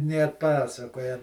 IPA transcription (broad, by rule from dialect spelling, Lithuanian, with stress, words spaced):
nʲeː ɐtˈpɑːsɐkoːjɛ